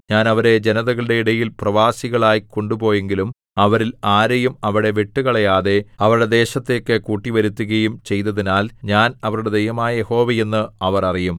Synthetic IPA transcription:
ɲaːnɐʋɐɾe̞d͡ʑe̞nɐðɐɣɐɭɽe̞iɽɐjilprɐʋaːsiɣɐɭaːjko̞ɳɖubo̞ːje̞ŋɡilum | ɐʋɐɾilaːɾɐjumɐʋiɽe̞ʋiʈːuɣɐɭɐjaːðe̞ɐʋɐɾuɽe̞d̪e̞ːɕɐt̪ːe̞kːekuːʈːiʋɐɾut̪ːuɣɐjumt͡ɕe̞jt̪ɐðinaːlɲaːnɐʋɐɾuɽe̞d̪ɐjɐmaːjɐjeho̞ːʋɐje̞nːɨɐʋɐrɐrijum

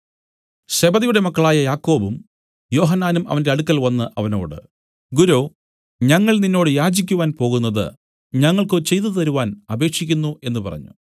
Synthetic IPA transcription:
ɕe̞bɐðijuɽe̞mɐkːɐɭaːjɐjaːkːo̞ːbum | jo̞ːɦɐnːaːnumɐ̰ʋɐnde̞ɐɽukːɐlʋɐnːɨʔɐʋɐno̞̰ːɽɨ̰ | ɡuɾo̞ː | ɲɐŋːɐɭninːoːɽɨjaːd͡ʑikʲːuʋaːnpo̞ːɣunːɐðɨ̰ | ɲɐŋːɐɭkɨt͡ɕe̞jt̪̬ɨt̪̬ɐɾuʋaːnɐbe̞ːkʂikʲːunːuʔe̞nːɨpɐ̰rɐ̰ɲːṵ

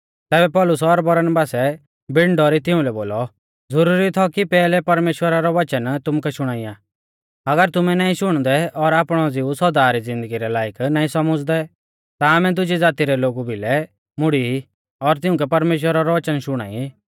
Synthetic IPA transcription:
t̪ɛːbɛpɔːlʊsːɾbɐɾənbaːsɛ | bɪɳɖɔɾit̪ɪʊ̃lɛboːlɔ | d͡zɐɾuːɾit̪ʰɔkipɛːlɛpɐɾmeːʃwəɾaɾɔʋɐt͡ʃənt̪ʊmukʰɛʃʊɽ̃aːija | ɐɡəɾt̪ʊmɛnaːĩʃʊɽ̃d̪ɛɔɾaːpɽ̃ɔd͡zɪusɔd̪aːɾid͡zɪ̃nd̪əɡiɾɛlaːjəknaːĩsɐmʊd͡zd̪ɛ | t̪aːmɛd̪ʊd͡ʒid͡zaːt̪iɾɛloːɡubʱilɛ | mʊɽii | ɔɾt̪ɪ̃ʊ̃k̬ɛpɐɾmeːʃ̬wəɾaɾɔʋɐt͡ʃənʃʊɽ̃a̰ːi

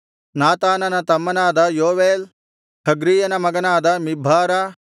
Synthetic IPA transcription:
naːt̪aːnɐnɐt̪ɐmːɐnaːd̪ɐjoːʋeːl | hʰɐɡɾiːjɐnɐmɐɡɐnaːd̪ɐmibʱaːɾɐ

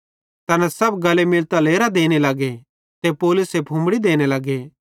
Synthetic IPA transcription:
t̪ɐnɛ̃sɐbɡɐlemɪlt̪aleːɾad̪eːñelaːɡe | t̪epoːlʊsepʰũːmbɽid̪eːñelaːɡe

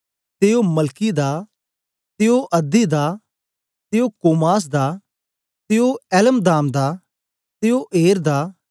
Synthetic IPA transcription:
t̪eːomɐlkid̪aː | t̪eoʔɐd̪id̪aː | t̪eokoːmaːs̬d̪aː | t̪eoɛːləmd̪aːmd̪aː | t̪eoʔeːɾd̪aː

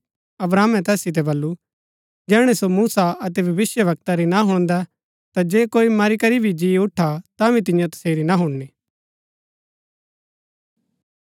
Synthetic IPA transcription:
ɐbɾaːmɛ̃t̪ɛːsit̪̬ɛbɐlːu | d͡ʒɛːɽ̃ɛsomuːsaɐt̪̬ɛbʱɐʋɪsjəʋɐk̚t̪aɾinaɦʊɽ̃nd̪a | t̪ad͡ʒeːkoːimɐɾikɐɾibʱid͡ʒiʊʈʰat̪abʱĩt̪̬ɪ̃jãt̪ɐ̥seːɾinaɦʊɽ̃niː

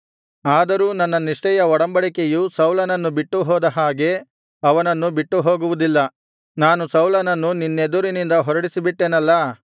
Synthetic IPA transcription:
aːd̪ɐɾuːnɐnːɐniʂʈɛjɐɔɽɐmbɐɽikejusɐwlɐnɐnːubiʈːuɦɔːd̪ɐɦaːɡe̞ | ɐʋɐnɐnːubiʈːuɦoːɡuʋud̪ilːɐ | naːnusɐwlɐnɐnːuninːed̪uɾinind̪ɐɦɔɾɐɽisibiʈːenɐlːɐ

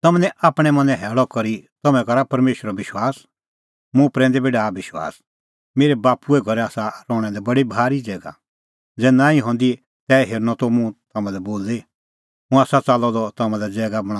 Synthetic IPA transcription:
t̪ɐmɛnɛʔaːpɽ̃ɛ̃mɐ̃nɛ̃ɦɛːɭɔkɔɾit̪ɐmɛ̃kɐɾapɐɾmeːʃwəɾɔʋɪʃwaːs | mũpɾɛ̃ːnd̪ɛbeːɖabɪʃwa̰ːs | meːɾɛbaːpuɛɡʱɔɾɛaːsaɾɔːɽ̃ɛ̃d̪ɛbɐɽibʱaːɾid͡zɛːɡa̰ | d͡zɛːnãːĩɦɔ̃ːnd̪i | t̪ɛːɦeːɾnɔt̪ɔmũt̪ɐmãlɛboːlːe | mũaːsat͡salɔd̪ɔt̪ɐmãlɛd͡zɛːɡabɐɽ̃ãː

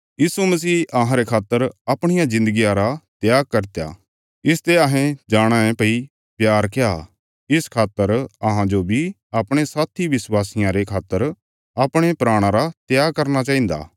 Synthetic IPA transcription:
jiːsumɐs̬iːʔɐɦãɾekʰaːt̪ːəɾɐpɽ̃ɪjãzɪ̃nd̪əɡijãɾat̪jaːɡ̚kɐɾt̪eja̰ː | ɪst̪eɐɦẽd͡ʒaːɽ̃aẽpɐi | pjaːɾkja | ɪskʰaːt̪ːəɾɐɦãd͡ʒobʱi | ɐpɽ̃esaːt̪ʰiʋɪswaːsɪjãɾekʰaːt̪ːəɾ | ɐpɽ̃epɾaːɽ̃ãɾat̪jaːɡkɐɾñat͡ʃaːɦĩːnd̪a̰ː

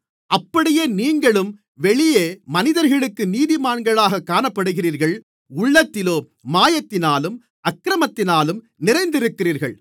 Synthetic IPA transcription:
ɐpːɐɽɪjeːniːŋɡɐɭɯm | ʋɛɭɪjeːmɐnɪðɐɾɣɐɭɯkːɯniːðɪmaːɳɡɐɭaːɣɐkːaːnɐpːɐɽɯɣɪriːɾɣɐɭ | ʊɭːɐt̪ːɪloː | maːjɐt̪ːɪnaːlɯm | ɐkːɾɐmɐt̪ːɪnaːlɯm | nɪɾɐɪnd̪ɪɾɯkːɪriːɾɣɐɭ

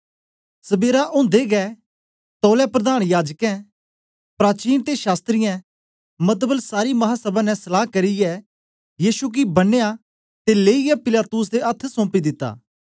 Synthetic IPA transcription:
sɐbeːɾaʔʊ̃ːnd̪eɡɛ | t̪ɔːlɛpɾɐd̪aːɽ̃jaːd͡ʒkɛ̃ | pɾaːt͡ʃiːnt̪eʃaːst̪ɾɪjɛ̃ | mɐt̪bəlsaːɾimɐɦasɐbãnɛ̃sɐlaːɦkɐɾijɛ | jiːsuk̬ibɐnːeja | t̪eleːijɛpɪlaːt̪ʊs̬d̪eɐt̪ʰːsɔ̃ːpid̪ɪt̪ːa̰ː

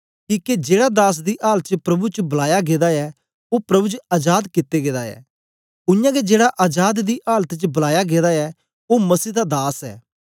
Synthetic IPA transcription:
kiːked͡ʒeːɽad̪aːs̬d̪iʔaːlt͡ʃəpɾɐbut͡ʃəbɐlaːjaɡeːd̪aɛ | oːpɾɐbut͡ʃəɐːd͡ʒaːd̪kɪt̪ːeɡeːd̪aɛ̰ː | ʊjãːɡed͡ʒeːɽaʔaːd͡ʒaːd̪d̪iːʔaːlət̪t͡ʃbɐlaːjaɡeːd̪aɛ | oːmɐsiːd̪ad̪aːsɛ̰ː

